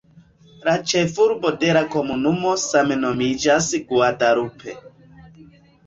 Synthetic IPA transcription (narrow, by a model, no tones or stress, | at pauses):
lat͡ʃefuɾbo̞deɾako̞munumo̞sameno̞mid͡ʒasɡuadaɾupʰḛ